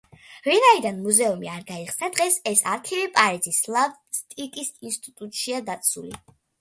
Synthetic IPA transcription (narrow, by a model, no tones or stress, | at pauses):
vinaid̪anmuzɛumiaɾɡaiχsnad̪ʁɛsɛsaɾt̪ʰivipʼaɾizislˠavst̪ʼikʼisinst̪ʼit̪ʼut̪ʼʃiad̪at̪sʰṵlḭ